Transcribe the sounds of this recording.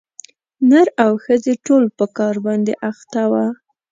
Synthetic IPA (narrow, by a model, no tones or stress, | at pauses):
nəɾawxəzeʈolpəkɑɾbɑnd̪eʔaxt̪awa